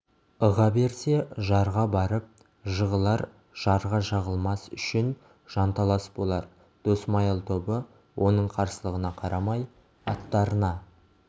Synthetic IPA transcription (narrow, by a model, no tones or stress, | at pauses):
əʁɑbe̞ɾse̞ʒɑɾʁɑbɑɾəp̚ | ʒəʁəlˠɑɾ | ʒ̥ɑɾʁɑʒɑʁəlˠmɑsʏ̰ʃɪn | ʒ̥ɑnt̪ʰɑlˠɑsə̥pbo̞lˠɑɾ | d̪̥osmɑjəlˠt̪ʰo̞bə | wʔo̞nəɴqʰɑɾsəlˠəʁənɑqʰɑɾɑmɑj | ɑt̪ːɑɾənɑ